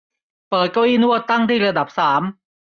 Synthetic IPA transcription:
pɤː˨˩t̪̚ka˥˩wiː˥˩nu˥˩ət̪ːa˥˩ŋt̪ʰiː˥˩ɾa˧da˨˩p̚saː˩˦m

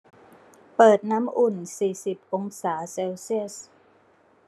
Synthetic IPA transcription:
pɤː˨˩t̪̚na˦˥mʔu˨˩nsiː˨˩si˨˩p̚ʔo˧ŋsaː˩˦seː˧wsi˥˩əs

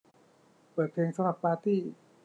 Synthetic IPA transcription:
pɤː˨˩t̪̚pʰeː˧ŋsa˧mɾa˨˩pːaː˧t̪iː˥˩

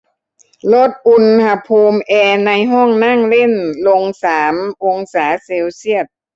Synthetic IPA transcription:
lo˦˥˩t̪̚ʔu˧nha˧pʰuː˧mʔɛː˧na˧jɦɔː˥˩ŋna˥˩ŋle˥˩˨nlo˧ŋsaː˩˦mʔo˧ŋsaː˩˦se˧wsi˥˩ət̪̚

